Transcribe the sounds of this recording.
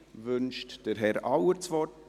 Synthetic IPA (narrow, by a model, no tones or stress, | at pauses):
vʏnʃtd̥əɾɦɛɾɑwəɾt͡sʋɔː